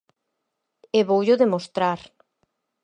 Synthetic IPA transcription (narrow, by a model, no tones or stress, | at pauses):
eβowʎʊðemost̪ɾaɾ